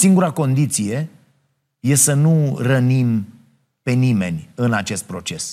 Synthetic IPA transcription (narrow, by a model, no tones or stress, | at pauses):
siŋɡuɾako̞nd̪it̪sije̞ | je̞sənurənim | pe̞nime̞̰nʲɨnat͡ʃe̞st̪̚pɾo̞t͡ʃe̞s